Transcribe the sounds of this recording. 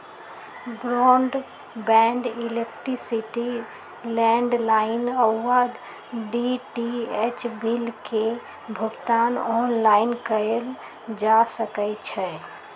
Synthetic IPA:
bɾɔɳɖ | bɛɳɖilek̚ʈɾisiʈi | lɛ̃ɳɖlaɪnəwad̪ | ɖiʈiet͡ʃbilke | bʱuɡt̪anɔnlaɪnkəɾel | d͡ʒasəkɛt͡ʃʰɛ

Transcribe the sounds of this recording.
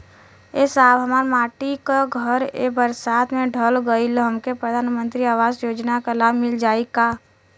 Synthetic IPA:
esaːbɦɐmaːɾmaːʈikaɡʱəɾḛbəɾsaːt̪ʰmẽɖʱəlɡəilɦəmkepɾəd̪ʱaːnmə̃nt̪ɾiaːʋaːzjoːd͡ʒnakalaːbmɪld͡ʒaːika

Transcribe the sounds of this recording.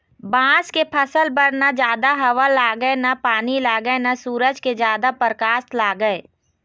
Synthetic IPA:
bãːskepʰəsəlbəɾnad͡ʒjaːd̪aɦɐʋəlːaːɡəenapaːnilaːɡəenasuːɾəd͡ʒked͡ʒjaːd̪apəɾkaːst̪laːɡəe

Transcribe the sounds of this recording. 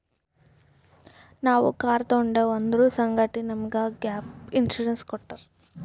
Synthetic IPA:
naːʋṵkaːɾt̪ɐuɳɖeːʋɐnd̪ɐɾuːsɐŋɡaʈinɐmɐɡaːɡjaːpinsuɾenskɔʈːɐɾ

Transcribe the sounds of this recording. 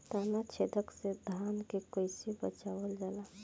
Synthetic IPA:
t̪aːnat͡ʃʰed̪əksed̪ʱaːnkekojsibət͡ʃawəld͡ʒaːla

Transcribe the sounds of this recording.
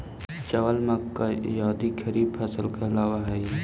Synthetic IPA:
t͡ʃɐʋəlmakːajaːd̪ikʰɐɾiːbfʰɛːsəlkeɐlaːʋaɦɛː

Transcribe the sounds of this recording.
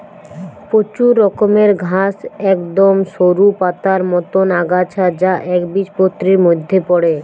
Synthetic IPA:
pot͡ɕuɾːɔkomeɾɡʱasɛkd̪omʃoɾupat̪aɾmɔt̪onaɡat͡ɕʰad͡ʑaʔɛkbiʃpot̪ːɾiɾmod̪ʱːepɔɽe

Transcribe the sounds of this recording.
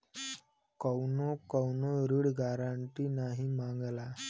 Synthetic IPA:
kəwnokəwnoɾiɽɡaɾaɳʈiːnaɦimaŋɡla

